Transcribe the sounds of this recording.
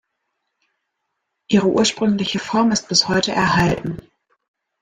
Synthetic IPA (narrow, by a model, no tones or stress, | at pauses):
ʔiːʁəʔṵːɐʃpʁ̥ʏŋlɪçəfɔɐmɪst̚b̥ɪshɔʏtəʔɛɐhaltn̩